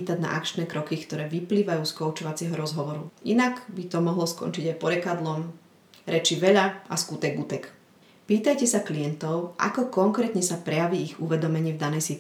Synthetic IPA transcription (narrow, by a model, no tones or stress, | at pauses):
t̪aɟna̰ʔakt͡ʃnɛːkɾɔkikt̪ɔɾɛːʋipliːʋajuːskɔʊt͡ʃɔʋat͡sɪɛɦɔɾɔzɦɔʋɔɾuinaɡbit̪ɔmɔɦlɔskɔ̰nt͡ʃiɟajpɔɾɛkad̪lɔm | ɾɛt͡ʃiʋɛʎaaskut̪ɛɡut̪ɛk | piːt̪ajcɛsaklijɛnt̪ɔʊʔa̰kɔkɔŋkɾɛːt̪ɲɛsapɾɛjaʋiːiɣuʋɛd̪ɔmɛɲiːvd̪anɛjsit̪